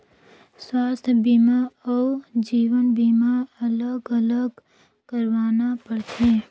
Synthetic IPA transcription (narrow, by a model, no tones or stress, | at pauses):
swaːst̪ʰbiːmaɔːd͡ʒiːwənbiːmaɐləɡɐləɡ | kəɾwaːnapəɽt̪ʰeː